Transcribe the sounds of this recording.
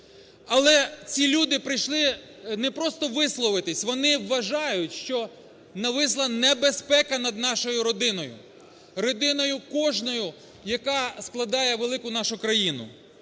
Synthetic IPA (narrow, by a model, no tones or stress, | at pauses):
ɐlˠɛt͡sʲilʲud̪ɪpɾɪjʃlˠɪ | nɛpɾɔst̪ɔʋɪslˠɔʋɪt̪ɪsʲʋɔnɪʋːɐʒɑjʊtʲʃt͡ʃɔ | nɐʋɪs̬lˠɐnɛbespɛkɐnɐd̪̚nɑʃɔjʊɾɔd̪ɪnɔjʊ̰ | ɾɔd̪ɪnɔjʊkɔʒnɔjʊ | jɐkɑsklˠɐd̪ɑjɛʋelˠɪkʊnɑʃʊkɾɐjinʊ̰